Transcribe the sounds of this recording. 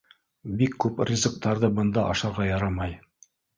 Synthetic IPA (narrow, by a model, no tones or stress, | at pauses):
bikːʉprʲizə̆k̚t̪ɑɾðɤbɤ̆nd̪ɑʔɑʃɑɾʁɑjɑɾɑmɑj